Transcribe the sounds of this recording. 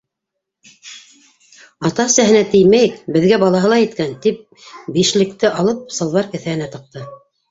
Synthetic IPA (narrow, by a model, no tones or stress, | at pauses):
ɑt̪ɑsæɦɘ̆næt̪ɘjmæjɘkbɘ̆ðɡæbɑlˠɑɦɤ̆lˠɑjɘ̆t̪kænt̪ip̚ | biʃlɘ̆kt̪ɘʔɑlˠɤp̚sɤ̆lˠβɑɾkɘ̆θæhɘ̆næt̪ɤ̆q̚t̪ɤ